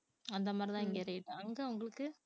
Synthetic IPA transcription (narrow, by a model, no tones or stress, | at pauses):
ɐnd̪ɐmaːd̪ɾɪt̪ãːɪŋɡɐɪɾɐjɪʈːɯɐŋɡeʊŋɡɐɭɯkːɯ